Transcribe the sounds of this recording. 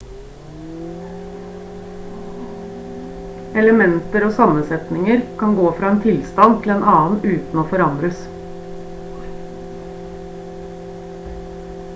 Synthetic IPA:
ɛləmɛnt̪əɾoːsɑmənsɛt̪nɪŋəɾkʰɑŋɡoːfɾɑːeːnt̪ʰɪlst̪ɑnt̪ʰl̩eːnʔɑːn̩ʉːt̪n̩oːfɔɾɑnd̪ɾəs

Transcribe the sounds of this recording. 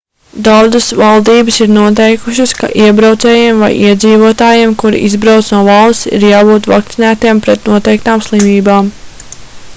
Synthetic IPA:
d̪awd̪əsvalˠd̪iːbɨsiɾnuɔt̪̬ɛjkuʃɨska̰ʔiɛbɾawt̪sɛːjemva̰jʔiɛd̪ziːvuɔt̪aːjeːmkuɾḭʔizbɾawt̪snuɔvɑlˠst̪sḭɾjaːbuːt̪va̰k̚t̪sinæːt̪iɛmpɾɛt̪nuɔt̪ɛjk̚t̪aːmslˠimiːbaːm

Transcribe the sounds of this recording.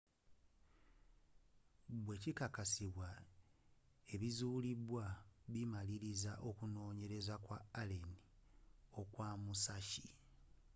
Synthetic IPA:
βwe̞cikakasiβwa | e̞βizuːliβwaβimaliɾizaʔo̞kuno̞ːɲe̞ɾe̞zakwaːlenio̞kwaːmusaʃi

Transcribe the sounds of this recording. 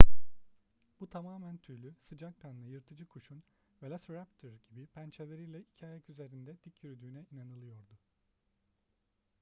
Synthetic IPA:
b̥ut̪ʰamaːmænt̪ʰyɾlʲysɯd͡ʒakkʰannˠɯjɯɾt̪ʰɯd͡ʒɯkʰuʃun | vɛlʲasɾæpt̪ʰøɾɟibipʰænt͡ʃʰelʲeɾijlʲɛicʰiaːjakyze̞ɾind̪ɛd̪̥icʰːyɾyd̪yːnɛinanɯlˠɯjo̞ɾd̪ʊ

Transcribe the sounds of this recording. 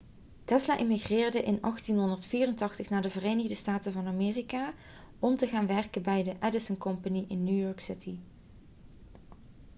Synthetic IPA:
tɛslaʔɪmiɣrɪːɹdəʔɪnɑxtinɦɔndəɹtfiːrəntɑxtəχnaːɹdəvərejnəɣdəstaːtəvɑnamɪːrikaː | ɔmtəɣaːnʋɛrkənbɛjdəʔɛdɪsənkɔmpaniʔɪnːjujɔːɹksɪtʰi

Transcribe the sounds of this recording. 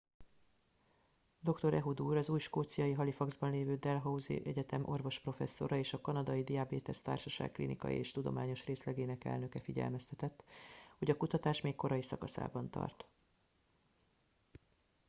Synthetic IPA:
d̪o̞kt̪o̞ɾɛɦud̪uːɾɒzuːjʃkoːt̪sijɒjiɦɒlifɒɡzbɒnleːvøːd̪ɛlɦɒuzḭʔɛɟɛt̪ɛmʔo̞rvo̞ʃpro̞fɛ̰sːo̞̰ɾɒeːʃɒkɒnɒd̪ɒjid̪iaːbeːt̪ɛst̪a̰ːrʃɒʃa̰ːkkːlḭnḭkɒ̰jḭeːʃt̪ud̪o̞̰maːɲo̞ʃreːslɛɡeːnɛkɛ̰lnø̞kɛfiɟɛ̰lmɛst̪ɛt̪ɛt̪ːho̞ɟɒkut̪ɒt̪aːʃmeːkkːo̞ɾɒjisɒ̰kɒsa̰ːbɒnt̪ɒ̰rt̪

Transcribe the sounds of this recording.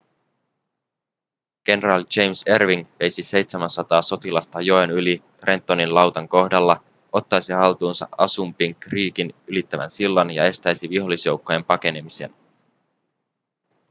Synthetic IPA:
ɡ̥e̞neɾɑld͡ʒe̞jmse̞rʋiŋʋe̞jsise̞jt̪semænsɑt̪ɑːso̞t̪ilɑst̪ɑjo̞enylit̪rent̪ːoninlɑwt̪ɑŋko̞hdɑlːɑ | o̞t̪ːɑjsihɑlt̪uːnsɑ̰ʔɑ̰sumpiŋkriːkinylit̪ːæʋæ̰nsilːɑnjɑ̰e̞st̪æjsiʋiɦo̞lːisjo̞wkːo̞je̞mpɑke̞ne̞mise̞̰n

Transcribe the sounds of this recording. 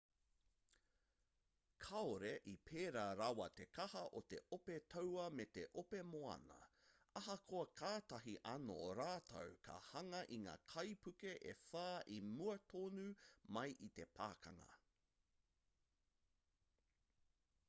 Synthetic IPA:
kʰɐoɾeʔipʰeːɾaːɾɐwɐt̪e̞kɐhɐʔot̪e̞ʔopet̪ʰowɐmet̪eʔopemoɐ̰nɐ̰ɐɦɐkʰoɐkʰaːt̪ɐɦiʔɐno̰oɾaːt̪ʰɐ̰wkʰɐ̰hɐŋɐʔiŋa̰ːkʰɐjpʰʉkeʔḛfaːʔimuɐt̪ʰoːnumɐjʔit̪e̞pʰa̰ːkʰɐ̰ŋɐ̰

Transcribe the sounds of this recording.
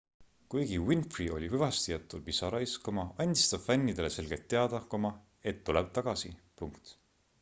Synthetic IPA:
kujɡ̥iwinfrio̞lʲiɦɯvɑst̪ijɑt̪ˑːulpisɑɾɑiskumɑɑnʲd̪i̥st̪ɑb̥fænʲːid̪̥e̞le̞se̞lɡ̥e̞lt̪ːe̞ɑd̪̥ɑkomɑ | e̞t̪ːuleb̥̚t̪ɑɡ̥ɑsipuŋkt̪

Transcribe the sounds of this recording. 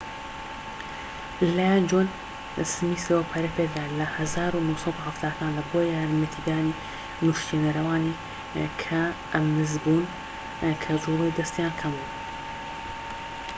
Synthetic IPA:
lajand͡ʒoːn | sɨmiːsɾopʰɐɾɐpekd̪aːlɐhɐzaːɾunowsˤɐd̪uhɐft̪ʰaːkʰaːnlɐboːjaːɾmɐt̪ʰiɡaːni | nuʃt̪inɐɾɐwaːni | kʰɐʔɐmnɨzbuːn | kʰɐzuːlijd̪ɐst̪ijaːnkʰɐmu

